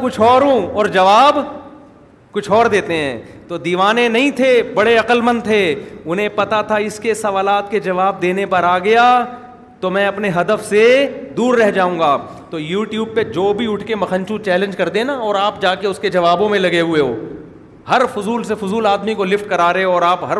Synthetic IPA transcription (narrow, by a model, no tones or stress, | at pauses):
kʊt͡ʃʰɔːɾɦũɔːɾd͡ʒɐʋaːb | kʊt͡ʃʰɔːɾd̪eːt̪eɦɛ̰̃ːt̪od̪iːʋaːnẽnɐɦĩt̪ʰebɐɽeɐqəlmə̃nt̪ʰeʊnɦẽpɐt̪at̪ʰaɪskesɐʋaːlaːt̪ked͡ʒɐʋaːb̚d̪eːnepɐɾaːɡɐja | t̪omɛ̃ɐpneɦɐd̪əfsed̪uːɾːɛɦd͡ʒaːũːŋɡaː | t̪oːjuːʈjuːb̚ped͡ʒoːbʱiʊʈʰkemɐxʰə̃nt͡ʃũt͡ʃɛːlə̃nd͡ʒkɐɾd̪ẽnaɔːɾaːp̚d͡ʒaːkeʊsked͡ʒɐʋaːbõmẽlɐɡeɦʊeɦoː | hɐɾfʊzuːlsefʊzuːlaːd̪mikolɪfʈ̚kɐɾaːɾɐeɔːɾaːpɦɐɾ